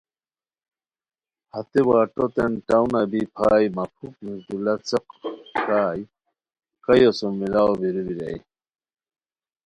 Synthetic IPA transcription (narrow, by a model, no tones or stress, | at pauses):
hat̪ewaːʈɔt̪enʈawnabipʰaːjmapʰuk̚nusd̪ulat͡səqsaːj | kɐjɔsɔmːilaobiɾubiɾa̰j